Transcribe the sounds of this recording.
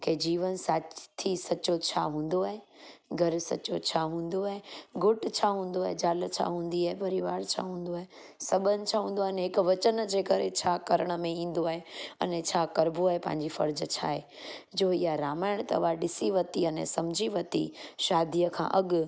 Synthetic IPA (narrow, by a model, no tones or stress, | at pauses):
ked͡ʑiːʋənsaːt͡ɕt̪ʰisɐot͡ɕʰa̰ɦũːn̆d̪oaːɦeɡʱɐɾsɐ̰t͡ɕot͡ɕʰaɦũːnd̪oaːɦeɡʱʊʈt͡ɕʰaːɦũːn̆d̪oaːɦed͡ʑaːlt͡ɕʰa̰ɦũːn̆d̪iaːɦepɐɾiʋaːɾt͡ɕʰa̰ɦũːn̆d̪oaːɦe | sɐbənɪ̆t͡ɕʰaːɦũːn̆d̪oanɦɪkʋɐt͡ɕənd͡ʑeːkɐɾet͡ɕʰaːkɐɾəɽ̃ə̆mẽĩːn̆d̪oaːɦeɐ̰nẽt͡ɕʰaːkɐɾbʱoaːɦepɐ̃ɦɪ̃ɲ̆d͡ʑifɐɾd͡ʑət͡ɕʰaːɦe | d͡ʑoːiɦaɾaːmaːɪɽ̃t̪ɐ̰ʋaɗɪsiʋɐt̪iɐnɛ̰̃sɐmd͡ʑʱiʋɐt̪ḭʃaːd̪ʱijəkʰã̰ːʔɐɡ